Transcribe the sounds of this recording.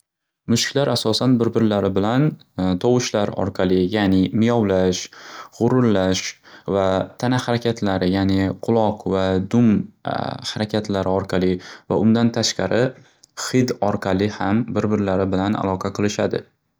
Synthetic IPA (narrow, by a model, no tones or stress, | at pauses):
mʊʃkʲlaɾʔasɒsanbɪɾbɪɾlaɾɪbɪlan | t̪ʰɒwɪʃlaɾɒ̰ɾqʰɑlˠɪjaːnɪmɪjɒwlaʃʁʊɾʊɾlaʃvat̪ʰanahaɾakʲʰat̪ʰlaɾɪjanɪqʰʊlˠɒqvad̪ʊm | haɾakʲʰat̪ʰlaɾɪɒɾqʰɑlˠɪva̰ʔʊnd̪ant̪ʰaʃqɑɾɪ | χɪd̪ɒɾqʰɑlˠɪhambɪɾbɪɾlaɾɪbɪlana̰lˠɒqʰɑqʰɨlˠɪʃad̪ɪ̰